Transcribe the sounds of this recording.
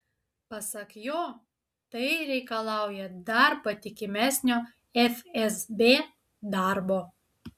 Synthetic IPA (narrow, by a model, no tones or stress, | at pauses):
pɐsɐkjoː | t̪ɐɪɾʲɛɪkɐlˠɑˑʊjɛd̪ɐɾpɐt̪ʲɪkʲɪmʲæsʲnʲoː | ɛfɛsbʲeː | d̪ɑˑɾboː